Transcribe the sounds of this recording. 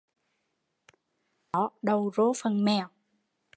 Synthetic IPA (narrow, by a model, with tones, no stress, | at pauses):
ɔ˨˦ɗə˨˧˩wzo˨˦fə˨˩nmɛ˧˩w